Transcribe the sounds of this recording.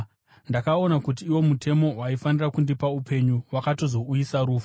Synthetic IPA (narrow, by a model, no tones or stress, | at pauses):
ndakao̞nakut̬iːwo̞mutʰe̞mo̞waifanirakundipaupe̞ɲuwakato̞zo̞ujisaɾuːfu